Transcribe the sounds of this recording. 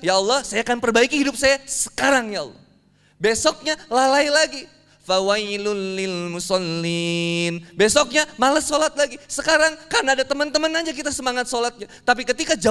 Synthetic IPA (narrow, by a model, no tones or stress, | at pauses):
jaɑlːɔhsajakanpərbaikihidʊp̚sajasə̥kaɾaŋjaɑ̰lːɔ̰h | besɔk̚ɲalalailaɡi | fawailʊnlɪlmusɑlːinbesɔk̚ɲamaləsolat̪̚laɡisəkaɾaŋkarnaːdat̪əmənt̪əmənaɲd͡ʒak̬it̪asəmaŋat̪̚solat̪̚ɲat̪ap̬ikət̪ikad͡ʒa